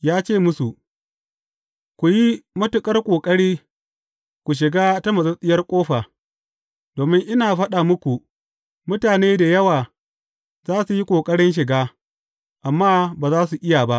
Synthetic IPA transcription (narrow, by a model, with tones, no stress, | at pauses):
jaː˦t͡ʃeː˦˨mʊ˦su˨ | kʷu˨ji˦mɐ˦tʊ˨kʼɐ˦rkʷʼoː˨kʼɐ˦ɽiː˦ | kʷu˨ʃ̬ɪ˨ɡaː˦ta˦mɐ˨zɐ˦sʼɪ˦jɐ˦rkʷʼoː˦ɸa˨ | doː˨mɪ˦ŋʔɪ˦naː˨ɸɐ˦ɗaː˨mʊ˦kʷu˨ | mʊ˦taː˨neː˦da˨jɐ˦waː˨ | zaː˦su˨ji˦kʷʼoː˨kʼɐ˦ɽɪ˦nʃ̬ɪ˨ɡaː˦ | ʔa˨mːaː˦baː˨zaː˦su˨ʔɪ˦ja˨ba˦ʔ